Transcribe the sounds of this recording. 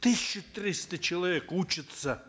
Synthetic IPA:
t̪ɨsʲɕːɪt̪ɾʲist̪ət͡ɕɪlˠɐvʲekut͡ɕɪt̪sə

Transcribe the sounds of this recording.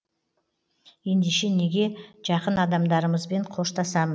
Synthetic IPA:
je̞nd̪eʃe̞ne̞ɡʲe̞ʒ̥ɑqənɑd̪ɑmd̪ɑɾəməzbe̞ɴqʰo̞ʃt̪ɑsɑməz

